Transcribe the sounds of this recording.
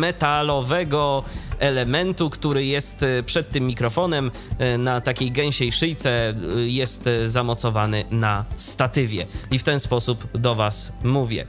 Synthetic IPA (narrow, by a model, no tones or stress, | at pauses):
mɛt̪alɔvɛɡɔɛlɛmɛnt̪ukt̪uɾɘjɛst̪pʂɛt̪ːɘmːʲikɾɔfɔnɛm | nat̪akʲejɡɛw̃ɕɛjʂɘjt̪sɛjɛst̪zamɔt̪sɔvanɘnast̪at̪ɘvʲjɛ̰ift̪ɛnspɔsupd̪ɔvasmuvʲjɛ̰